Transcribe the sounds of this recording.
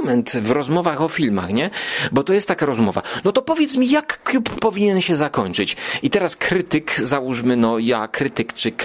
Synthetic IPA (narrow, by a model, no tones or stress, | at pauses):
mɛnt̪vɾɔzmɔvaxɔfʲilma̰xɲɛbɔt̪ɔjɛst̪t̪ːakaɾɔzmɔva̰nɔt̪ɔpɔvʲjɛt̪smʲijakːlʲupːɔvʲiɲɛnɕɛzakɔɲt͡ʂɘt͡ɕit̪ɛɾaskɾɘt̪ɘkzawuʂmɘnɔjakɾɘt̪ɘkt͡ʂɘk